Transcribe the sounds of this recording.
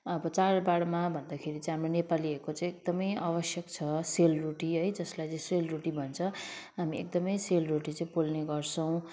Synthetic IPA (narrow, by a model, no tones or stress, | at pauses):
ʌbʌt͡sarbaɽmabʱʌnd̪akʰeɾit͡saj̃ɦamronepaliʌkot͡sãĩek̚d̪ʌmʌjaβʌsjʌkt͡sʰʌselruʈiɦʌjd͡zʌslajt͡sʌĩselruʈibʱʌnt͡sʰʌɦamiḛk̚d̪ʌmʌjselruʈit͡saĩpolneɡʌrt͡sʰʌw̃